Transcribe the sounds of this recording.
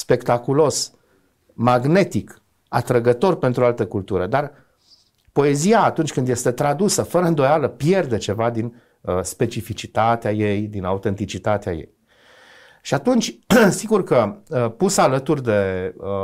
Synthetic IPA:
spe̞kt̪akulo̞s | maɡne̞t̪ik | at̪ɾəɡət̪o̞rpe̞nt̪ɾuoalt̪əkult̪uɾəd̪ar | po̞e̞ziaːt̪unt͡ʃʲkɨnd̪je̞st̪e̞t̪ɾad̪usəfəɾəɨnd̪o̞jaləpje̞rd̪e̞t͡ʃe̞vad̪in | əspe̞t͡ʃifit͡ʃit̪at̪eajejd̪inaut̪e̞nt̪it͡ʃit̪at̪ea̰je̞̰j | ʃiat̪unt͡ʃʲsiɡurkəpusəalət̪urʲd̪e̞

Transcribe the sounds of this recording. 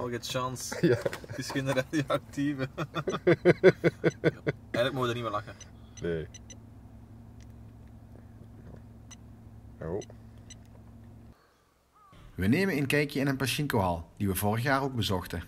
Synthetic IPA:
ɔlɣɛtʃɑnsaəsxɪndəɾadioɑk̚tivə | ɛjɣələkmoxədənimʋelɑxə | ne | o | ʋəneːmənənkɛjkjəɪnənpaʃɪŋkoɦɑlˠd̥iʋəvoːrəxjaːroːɡ̚bəzɔxtə

